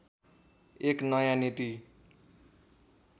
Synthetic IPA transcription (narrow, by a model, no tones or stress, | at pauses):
eknʌjanit̪i